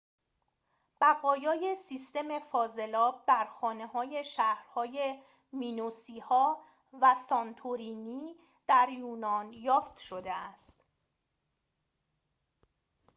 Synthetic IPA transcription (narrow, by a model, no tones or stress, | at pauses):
b̥æɣɒːjɒːjesiːst̪e̞me̞fɒːze̞lɒːb̚d̪æɾxɒːne̞hɒːje̞ʃæhɾhɒːje | miːnusiːhɒː | væsɒnt̪ʰuɾiːniː | d̪̥æɾjuːnɒːnjɒːft̪ʃod̪eæst̪